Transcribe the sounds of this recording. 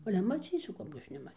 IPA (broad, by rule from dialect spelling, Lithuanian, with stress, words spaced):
ˈɑːlʲɛ mɐˈt͡sʲiːsʲʊ ˈkɑːbʲɡʲɪ ˈɐʃ nʲɛˈmɐ